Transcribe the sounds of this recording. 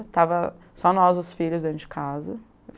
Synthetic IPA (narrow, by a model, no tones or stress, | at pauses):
t̪avɐ | sɔnɔzʊsfiʎʊzd̪ẽt͡ʃɪ̥kʰazɐ | f